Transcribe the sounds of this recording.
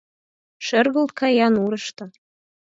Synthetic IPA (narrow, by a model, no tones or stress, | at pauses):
ʃɘ̆rɣɤ̆lt̪̚kʰɑjɑnuɾɤ̆ʃt̪ɤ